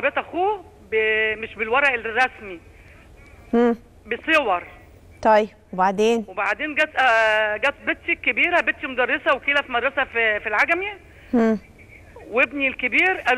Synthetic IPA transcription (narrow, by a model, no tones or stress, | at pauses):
bet̪ʔæxuː | bemeʃbelwɑɾˤɑʔelrˤːɑsmi | hː | besˤewɑɾˤ | t̪ˤɑjbwebaʕd̪eːnwebaʕd̪eːnɡæːt̪ʔæɡæːt̪̚bet̪̚ːikːebiːɾæbet̪ːimod̪ærˤːesæwekeːlæfmæd̪ˤɾɑsæfilʕaɡæmjæ | hː | webnilkebiːɾʔæl